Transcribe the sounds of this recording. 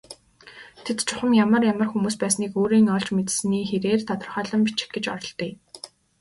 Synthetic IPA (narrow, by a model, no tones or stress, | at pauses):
t̪ʰet̪t͡ɕʰʊχə̆mjamə̆rjamə̆rxumuːspæːsniːkoːɾiːŋɔɮt͡ɕmet̪sniːxeɾeːrt̪ʰat̪ɞ̆rχœːɮə̆mpit͡ɕɪ̥̆xɡet͡ɕɔ̰ɾɞ̆ɮt̪iː